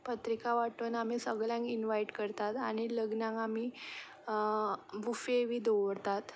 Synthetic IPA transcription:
pət̪ɾikaʋaʈuːnam̤isəɡɭljãŋkinʋaiʈkəɾt̪at̪aɽ̃iləɡnãŋkam̤i | bʱufeʋiːd̪oʋɽt̪at̪

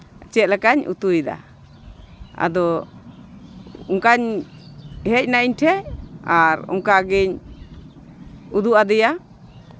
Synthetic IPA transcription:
t͡ʃɛt̪̚lɛkaɲṵt̪ujd̪a̰ | a̰d̪ɔ | uŋkaɲ | hɛc̚naʔiɲʈʰɛaɾṵŋkaɡɛɲ | ud̪uʔad̪ɛja

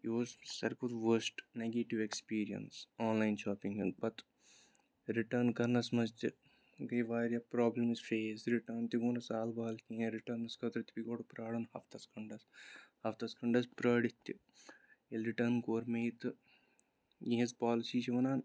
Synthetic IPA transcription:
jiossɐ̰ɾkud̪ʋɐɾsʈneɡeːʈiʋekspiːɾiɐ̰nsaːnlajnʃaːpiŋɐnbɐt̪ | ɾiʈɐːnkɐɾnɐsmɐst̪ɨ | ɡɐjʋaːɾjɐpɾaːblɐmisfeːsɾiʈɐːnt̪iɡuːnɐsaːlbaːɐlkĩẽɾiʈɐːɾnɐskɐt̪ɾɨt̪ipiɡoːʈupɾaːɽɐnhɐft̪ʰɐskɐɳɖɐshɐft̪ɐskɐɳɖɐspɾɐːɽit̪ːḭ | ilɾiʈɐːnkoːɾmeːt̪ɨ | jiɦɐspaːlisiːt͡ʃiʋɐnaːn

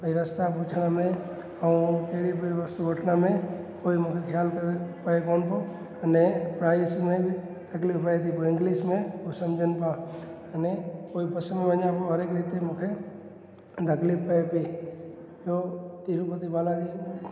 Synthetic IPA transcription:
pəiɾəst̪apuːt͡ʃʰɽ̃amẽ | aũkeɦɽipiʋəst̪uɡʱəʈʰnamẽ | koːimũkʰekʰjaːlkəɾepɐekoːnpo | ɐnepɾaːɪsmẽbɪ | t̪ɐklɪfpəet̪ʰipoɪ̃ŋɡliːsmẽosɐmd͡ʒʱənpa | ɐnekoːipɐsəneʋəɲãpoɦɐɾeːkɾit̪emũːkʰe | t̪əklɪppəepi | ot̪iːɾupət̪ibaːlãki

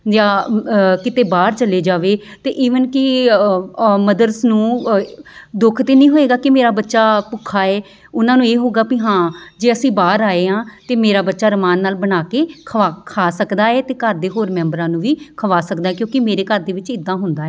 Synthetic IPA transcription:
d͡ʒaːkɪt̪eːbaːɾt͡ʃəleːd͡ʒaːʋeː | t̪ḛːʔiːʋənkɪ | məd̪əɾsnũː | d̪ʊkʰt̪eːnĩːɦoːeːɡaːkɪmeːɾaːbətːʃaːpʊkʰaːɛː | ʊnãːnũːeːɦoːɡaːpiɦãːd͡ʒeːəsĩːbaːɾaːeːãːt̪eːmeːɾaːbətːʃaːɾəmaːnːaːlbənaːkeːkʰəʋaːkʰaːsəkd̪aːɛːt̪eːkəɾd̪eːɦoːɾmɛ̃ːmbɾãːnũːʋiːkʰəʋaːsəkd̪aːɛːkjõːkɪmeːɾeːkəɾd̪eːʋɪt͡ʃɪd̪ːãːɦʊnd̪aːɛː

